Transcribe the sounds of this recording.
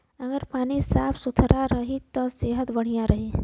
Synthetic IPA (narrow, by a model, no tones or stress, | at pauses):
ɐɡəɾpaːnisaːpʰsʊt̪ʰɾʔaɾɐɦit̪ɔseːɦət̪bɐɽ̤ijaɾɐɦiː